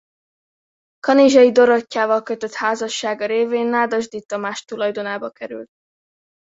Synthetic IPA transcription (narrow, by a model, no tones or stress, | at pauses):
kɒniʒɒjid̪o̞ɾocːaːvɒlkøt̪ø̞t̪haːzɒʃːaːɡɒɾeːveːnːaːd̪ɒʒd̪it̪ːɒmaːʃt̪ulɒjd̪o̞naːbɒkɛɾy̰lt̪̚